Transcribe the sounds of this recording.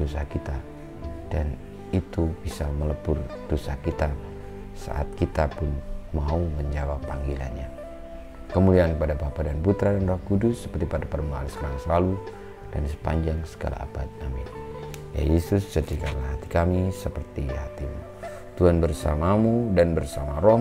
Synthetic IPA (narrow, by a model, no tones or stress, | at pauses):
osa̰hkit̪a | d̥an | it̪ub̥isamələpʊrd̥osa̰hkit̪a | sa̰ʔa̰t̪̚kit̪apʊnmauməɲd͡ʒawapːaŋɡila̰nɲa | kəmuliankəpadabapadanput̪ɾadanrɔhkudʊsːə̥pərt̪ipadapədamaa̰lskəɾaŋsəlalu | d̥ansə̥paɲd͡ʒaŋsə̥ɡa̰la̰a̰bat̪̚amɪnja̰jesʊst͡ʃəd͡ʒikanlaɦat̪i̥kamisəpərt̪iha̰t̪imṵ | t̪uanbərsa̰mamudanbərsamaɾɔ